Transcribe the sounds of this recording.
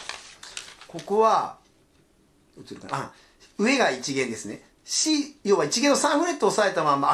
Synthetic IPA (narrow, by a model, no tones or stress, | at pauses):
ko̞koβa | ɯt͡sɨɾɯka̰nã | ɯ̟e̞ɡait͡ɕiɡẽ̞nd̪e̞sɨne̞̰ | ɕijoːβait͡ɕiɡenːo̞sãɰ̃ɸɯɾe̞t̪ːoːsae̞t̪amãma